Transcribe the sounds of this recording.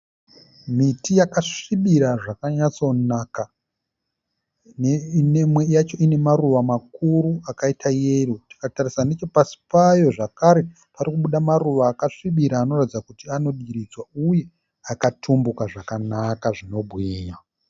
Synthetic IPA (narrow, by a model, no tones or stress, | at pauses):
mitijakaʂiɓiɾaʐakaɲat͡so̞naka | nnemwe̞jat͡ʃo̞ine̞maruʋamakuɾuakaitʰajeruti̥katarisane̞t͡ʃo̞pasi̥pajo̞ʐakaɾe̞ | paɾikuɓuɗamaruʋaːkaʂiɓiɾaːno̞rad͡zakutiano̞ɗiɾid͡zwauje̞ | akatʰumbukaʐakanakaʐino̞bʱɣiːɲa